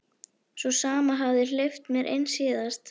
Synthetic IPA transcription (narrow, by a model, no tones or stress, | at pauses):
sɔsaːmaɦavðɪl̥eft̪mjɛɾʔḛjnsiːðast̪